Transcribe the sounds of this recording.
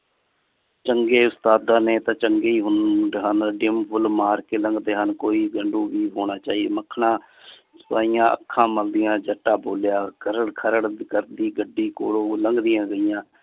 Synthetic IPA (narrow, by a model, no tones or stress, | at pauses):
t͡ʃəŋɡeːʊst̪aːd̪ãːnẽːt̪ãːt͡ʃəŋɡeːiːɦʊnɖɦənɖɪmpʰʊlmaːɾkeːləŋɡd̪eːɦənkoːiːɡəɳɖũːʋiːɦoːɽ̃aːt͡ʃaːiːḛːməkʰːnãː | sʊaːiːjãːʔə̰kʰːãːməld̪ɪjãːd͡ʒəʈːaːboːljaːkəɾəɽkʰəɾəɽkəɾd̪iːɡəɖːiːkoːɽoːləŋɡd̪ɪjãːɡəɪjãː